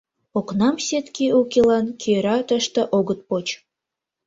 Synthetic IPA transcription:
oknɑmsʲet̪keukʲelɑnkʲʰeɾɑt̪əʃt̪ə̆ʔoɣət̪̚pot͡ɕ

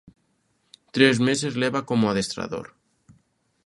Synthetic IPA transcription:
t̪ɾezmesezleβakomoaðest̪ɾa̰ðo̰ɾ

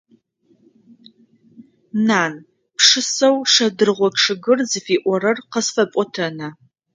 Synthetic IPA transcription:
naːn | pʂɨsɐwʂɐdɨrʁʷɔkʂɨɡɨrzɨfiːʔʷɔɾɐrqəsfɐpʼɔtʰɐnɐ

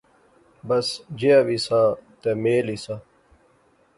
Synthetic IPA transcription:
bɐsd͡ʑijabisãt̪emeːlisãː

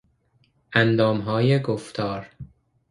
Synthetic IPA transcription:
ʔænd̪ɒːmɦɒːjeɡoft̪ʰɒːɾ

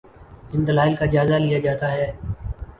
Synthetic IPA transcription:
ɪ̃nd̪əlaːɪlkaːɪd͡ʒaːzaːlɪjaːd͡ʒaːt̪aːɦɛː

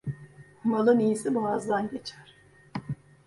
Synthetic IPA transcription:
malˠɯnijisibuazd̪anɟe̞t͡ʃʰæɾ̥

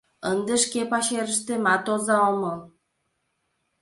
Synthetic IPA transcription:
ənd̪ə̆ʃkepɑɕeɾə̆ʃt̪ĕmɑt̪ozɑomɤl

